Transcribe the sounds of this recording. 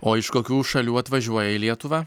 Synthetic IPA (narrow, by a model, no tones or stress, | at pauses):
oːɪʃkoːkʲuːʃɐlʲuːɐt̪ʋɐʒʲuɔjɛɪlʲiɛt̪ʊʋɑː